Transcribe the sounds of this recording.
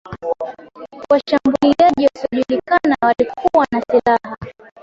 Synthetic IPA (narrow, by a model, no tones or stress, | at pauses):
waʃambuliaʄiwasiɔʄulikanawalikuwanasilaɦa